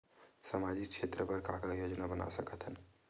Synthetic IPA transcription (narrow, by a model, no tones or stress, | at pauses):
səmad͡ʒik̚t͡ʃʰet̪ɾəpəɾkakajod͡ʒnabəna̰səkət̪ʰɦən